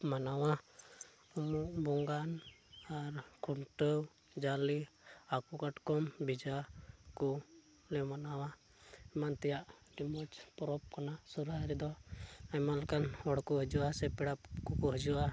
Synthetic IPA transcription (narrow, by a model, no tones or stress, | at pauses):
manawa | uuʔbɔŋɡanaɾkʰuɳʈəw | d͡ʒali | akukaʈkɔmbid͡ʒakɔ | lɛmanawa | ɛmant̪ɛjaʔɖimɔt͡ʃpɔɾɔp̚kanasuɾɦaɾɛd̪ɔamalɛkanɔɽkuɦəd͡ʒuwasɛpɛɽapkukɔɦəd͡ʒua